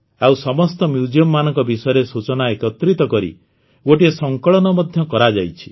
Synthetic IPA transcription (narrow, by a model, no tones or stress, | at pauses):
awsɔmɔst̪ɔmjud͡ʒiɔmːanɔŋkɔbisɔjɔɾesut͡ʃɔnaekɔt̪ɾit̪ɔkɔɾḭ | ɡoʈiesɔŋkɔɭɔnɔmɔd̪ʱjɔkɔɾad͡ʒajt͡ʃʰi̥